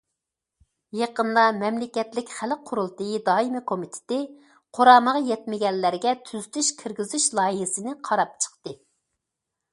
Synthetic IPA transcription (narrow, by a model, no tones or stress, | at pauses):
jeqənd̪ɑmɛmlɪkʲɛt̪lɪkʲχælqʰːʊɾulˠt̪ɨjid̪ɑːimɨkʰomit̪ʰɪ̥t̪ɪ | qʰoɾɑːməʁɑjɛt̪mɪɡʲɛnːæɾɡʲɛt̪ʰyzyt̪ʰyʃkʲʰɪɾɡʲizyʃlˠɑːjiɦɪsɨnɪqʰɑɾɑp̚t͡ʃʰə̥qt̪ɨ